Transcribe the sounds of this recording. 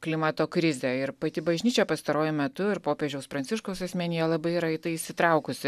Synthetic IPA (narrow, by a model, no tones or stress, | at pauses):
klʲɪmɐt̪oːkɾʲɪzʲɛɪɾpɐt̪ʲɪbɐʒʲnʲiːt͡ʃʲɛpɐst̪ɐɾoːjʊmʲɛt̪ʊɪɾpoːpʲeːʒʲɛʊspɾɐnʲtsʲɪʃkoʊsɐsʲmʲɛnʲɪjɛlˠɐbɐɪiɾɐɪt̪ɐɪɪʃʲsʲɪt̪ɾɐʊkʊsʲɪ